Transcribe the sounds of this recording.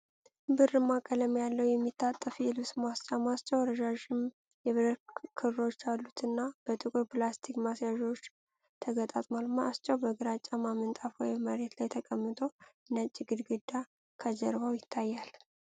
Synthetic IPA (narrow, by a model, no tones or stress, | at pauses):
bɨrːɨmːakʼələmjalːəwjɛmːit̪ʰːat̪ʼːəfjɛlɨβsmast͡ʃʼamast͡ʃːɛwɾəd͡ʒaʒɪm | jɛβɨɾəkʰɨɾːo̞t͡ʃːalːut̪ʰɨnːab̥ət̪ʼɨkʼɨɾplast̪ʰikmasjaʒo̞t͡ʃː | t̪ʰəɡət̪ʼa̰t̪ʼmalmaʔast͡ʃʼːawbəɡɨɾat͡ʃʼamamɨnt̪ʼafwojməɾe̞t̪lajt̪ʰəkʼəmːɨt̪ʼo̞ | nət͡ʃʼːiɡɨd̪ɡɨd̪ːa | kʰəd͡ʒəɾβawjɪt̪ʰːajːal